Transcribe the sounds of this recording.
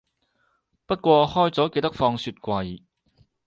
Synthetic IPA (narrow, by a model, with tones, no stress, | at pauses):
pɐ˥t̚kʷɔː˧hɔː˥jt͡sɔː˨˥ke˧jt̪ɐ˥k̚fɔː˧ŋsyː˧t̚kʷɐ˧j